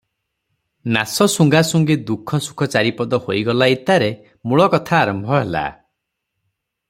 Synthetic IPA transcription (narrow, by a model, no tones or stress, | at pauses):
nasɔsuŋɡasuŋɡid̪ukʰɔsu̥kʰɔt͡ʃaɾipɔd̪ɔhojɡɔlait̪aɾe | muɭɔkɔt̪ʰaːɾɔmbʱɔɦela̰